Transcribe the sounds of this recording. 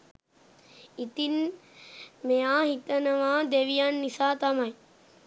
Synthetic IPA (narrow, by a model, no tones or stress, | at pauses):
it̪in | mejaːɦit̪ənɐʋaːd̪eʋijanːisaːt̪ɐmɐj